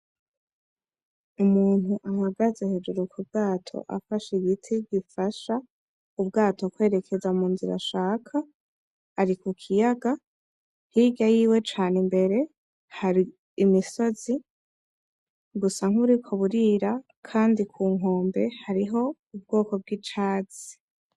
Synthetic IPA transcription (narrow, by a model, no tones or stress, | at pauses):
umuːn̥huʔamaɡazehe̞d͡ʒuɾukʰub̚ɡ̥aːtʰo̞̰ʔa̰faʃiɡitʰiɡifaʃa | ub̚ɡaːto̞kwe̞ːɾe̞kʰe̞zamuːnziɾa̰ʃaːkʰa | aɾikukʰijaɡa | hiɡajiːwe̞t͡ʃaːnembe̞ɾe̞ | haɾiː | miso̞zi | ɡusaŋ̥huɾikʰoβuɾiːɾa | kʰaːndikʰuːŋɦo̞ːmbe̞haɾiɦo̞ | ubɡo̞ːko̞b̚ɡit͡ʃaːz̥i̥